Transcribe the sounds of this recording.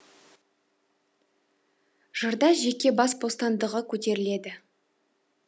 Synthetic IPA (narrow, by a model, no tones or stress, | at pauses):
ʒ̥əɾd̪ɑʒe̞kʲe̞bɑsbo̞st̪ɑnd̪əʁəkʲʰɵt̪e̞ɾɪle̞d̪ɪ